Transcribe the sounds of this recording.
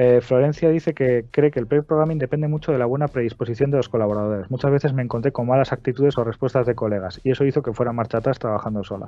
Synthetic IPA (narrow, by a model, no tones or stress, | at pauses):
eflo̞ɾẽ̞n̟θjaðiθe̞kekɾe̞ke̞ːlpɾepɾoɣɾamĩnd̪e̞pe̞nd̪e̞mut͡ʃo̞ðe̞laβ̞we̞napɾe̞ð̞ispo̞siθjo̞nelo̞sko̞laβ̞o̞ɾað̞o̞ɾe̞zmut͡ʃazβe̞θe̞zme̞ːŋko̞nt̪ɾe̞ko̞mmalasak̚t̪it̪uðe̞so̞re̞spwest̪azðe̞ko̞le̞ɣ̞asie̞so̞iθo̞ke̞fweɾamaɾt͡ʃat̪ast̪ɾaβaxand̪o̞so̞la̰s